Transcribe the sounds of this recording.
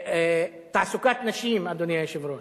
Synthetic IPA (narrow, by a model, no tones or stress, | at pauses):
t̪aʕsʊkaːt̪naʃiːmʔad̪ːʊnjaʃɪvɾuːn